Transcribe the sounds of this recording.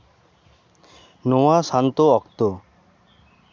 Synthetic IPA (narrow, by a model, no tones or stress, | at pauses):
nowasant̪oɔkt̪o